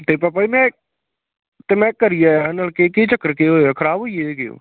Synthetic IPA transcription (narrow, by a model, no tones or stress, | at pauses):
t̪eːpapaiːmɛ̃ː | t̪eːmɛ̃ːkəɾijaːənəlkekiːt͡ʃəkːəɾkeːɦoːaːkʰəɾaːboːijeeːkeːo̰ː